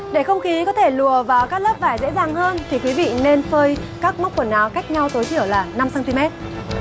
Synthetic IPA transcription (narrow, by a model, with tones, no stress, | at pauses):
ɗe˧˩xə˧wŋ͡mxi˨˦kɔ˨˦t̪ʰe˧˩lu˨˩əvaː˨˩wkaː˦˥k̚ləː˦˥p̚vaː˧˩jzḛ˧˥zaː˨˩ŋhəː˧nt̪ʰi˨˩kwi˨˦vḭ˧˨ne˧nfəː˧jkaː˦˥k̚mə˦˥k͡p̚kwə˧˩nːaː˨˦wka˦˥jk̚ɲa˧wt̪o˨˦jt̪ʰi˧˩əwlaː˨˩na˧msaː˧nt̪i˧mɛ˦˥t̚